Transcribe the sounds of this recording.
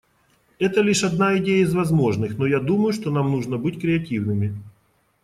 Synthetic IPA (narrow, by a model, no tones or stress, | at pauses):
ɛt̪əlʲiʂɐd̪naɪdʲejəɪzvɐzmo̞ʐnɨxn̪ojad̪uməjʊʂt̪o̞namnuʐnəbɨtʲkɾʲɪɐtʲivnɨmʲɪ